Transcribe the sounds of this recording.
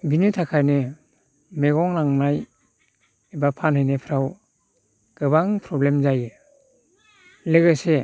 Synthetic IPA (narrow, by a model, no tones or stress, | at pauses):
binitʰakʰajnɯ | meɡɔŋnaŋnaj | ebapʰanhɯjnepʰɾaw | ɡ̥ɯβaŋpʰɾɔblemzajɯ | leɡɯse